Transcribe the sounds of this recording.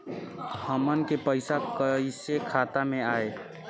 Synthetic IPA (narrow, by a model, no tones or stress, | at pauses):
həmənkepəɪsakəisekʰaːt̪amẽaːe